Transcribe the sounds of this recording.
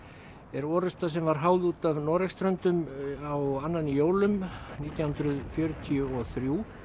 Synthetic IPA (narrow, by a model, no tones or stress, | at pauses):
ɛɾɔːɾʏst̪as̬ɛmvaɾ̥ɦaːwðuːt̪avnɔːɾɛkst̪ɾœnt̪ʏmawanːanːɪjoːwlʏmniːt̪jawhʏnt̪ɾʏðfjœːɾʏt̪ʰiʏɔθɾjuː